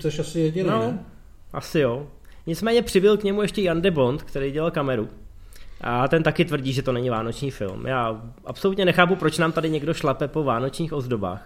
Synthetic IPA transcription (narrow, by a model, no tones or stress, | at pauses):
t͡soʃasɪjɛdɲɪnno | ʔasɪjoː | ɲɪt͡smɛːɲɛpr̝̥ɪbɪlkɲɛmujɛʃcɛjandɛbo̞nt̪kt̪ɛɾejɟɛlalkamɛɾu | ʔat̪ɛnt̪akɪt̪vr̩ɟiːʒɛt̪o̞nɛɲɪvaːno̞t͡ʃɲiːfɪ̰lmjaːʔa̰pso̞lut̪ɲɛnɛxaːpupɾo̞t͡ʃnaːmt̪adɪɲɛɡdo̞ʃlapɛpo̞vaːno̞t͡ʃɲiːxo̞zdo̞ba̰ːx